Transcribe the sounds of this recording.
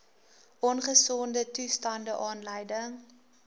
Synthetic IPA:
ʔɔnχəsɔndətustɐndəʔɑːnləjdəŋ

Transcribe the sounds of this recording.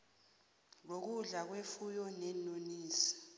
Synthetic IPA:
lok̬uɮak̬wefujɔnɛnoniːsi̥

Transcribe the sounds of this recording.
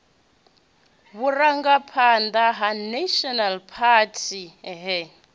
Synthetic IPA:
βuraŋɡapʰand̪aɦanaʃɔnalpʰatʰiɦɛ

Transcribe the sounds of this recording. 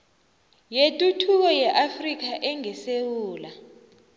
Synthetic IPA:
jetʼutʰuk̬ɔjɛʔafrik̬aʔɛŋɛsewuːla

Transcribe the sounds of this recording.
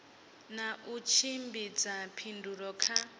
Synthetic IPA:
naʔut͡ʃʰimbid͡zapʰinduɾɔkʰa

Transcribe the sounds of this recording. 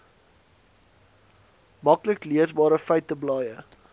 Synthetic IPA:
mɐkləkliəsbɑːɾəfəɥtəblɑːjə

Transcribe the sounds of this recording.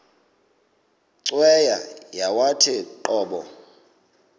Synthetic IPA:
ǀwɛjajawatʰɛǃɔːɓɔ̰

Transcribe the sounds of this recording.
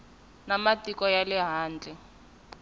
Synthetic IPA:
namatikɔjalɛɦaːnd͡ɮʱɛ

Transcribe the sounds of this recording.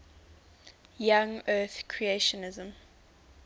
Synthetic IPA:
jãŋɜːθkʰɹieʃɔnɪzə̃m

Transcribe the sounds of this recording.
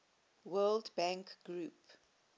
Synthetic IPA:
wɜːldbãŋkɡɹup

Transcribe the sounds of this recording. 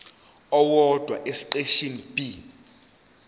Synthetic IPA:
ɔwɔd̥ʱwa̰ʔesiǃeʃinb̥i

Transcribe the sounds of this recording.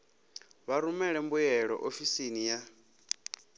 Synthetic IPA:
βaɾumɛɺɛmbujɛɺɔ̰ʔofisinija

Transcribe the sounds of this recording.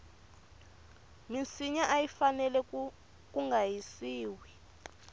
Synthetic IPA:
mint͡sʰiɲaʔajifanɛlɛ | k̬uŋɡʱajisiːwɛ

